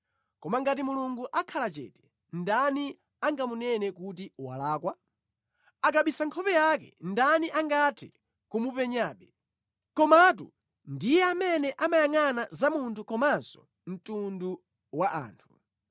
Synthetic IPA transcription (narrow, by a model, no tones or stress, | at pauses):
kɔmaŋɡatimuluŋɡuʔakʰalat͡ʃɛ̰ːtɛ̥ | ndani | aŋɡamunɛnɛkut̬iwa̰laːkwa | akaɓisaŋkʰɔpɛjak̬ɛ̰ndaniʔaŋɡatʰɛ | kumupɛɲaːɓɛ | kɔmatṵ | ndijɛamɛnɛʔamajaŋanazamuntʰukɔmazɔ̰ | m̩tundu | waʔa̰ːntʰu̥